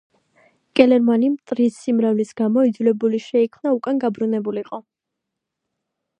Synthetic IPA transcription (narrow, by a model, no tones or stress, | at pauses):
kʼɛlɛɾmanimt̪ʼɾisimɾavlisɡ̥amɔid̪zulɛbuliʃɛikʰmnaukʼanɡabɾunɛbuliqʼɔ